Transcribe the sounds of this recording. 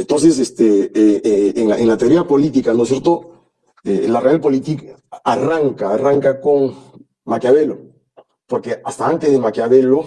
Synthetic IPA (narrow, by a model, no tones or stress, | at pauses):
ent̪ons̬esest̪eeeenaʔeŋlat̪eoɾiapo̞lit̪ikanosjeɾt̪o | elarealpo̞lit̪ikaraŋkaːraŋkakoŋ | makjaβelo̞ | poɾkeast̪aant̪ezðemakjaβelo